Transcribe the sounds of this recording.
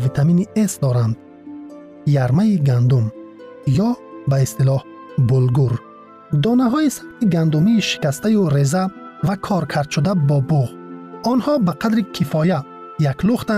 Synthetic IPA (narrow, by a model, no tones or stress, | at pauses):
vit̪ʰaminiesd̪ɔɾand̪ | jaɾmaiɡand̪um | jɔbaist̪ilɔh | bulɡuɾ | d̪ɔnaɦɔisabt̪ʰiɡand̪umiːʃi̥kʲast̪ajuɾezavakʰɔɾkʰaɾd̪ʃud̪abɔbuʁɔnhɔbaqʰad̪ɾikʰifɔja | jakluχt̪a